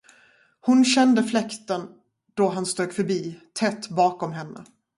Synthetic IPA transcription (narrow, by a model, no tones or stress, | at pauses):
hʊnɕɛnd̪əflɛkt̪ən | d̪̥ɔɦanst̪øːɡfœɾbiːt̪ʰɛt̪ːbɑːkɔmɦɛnːə̰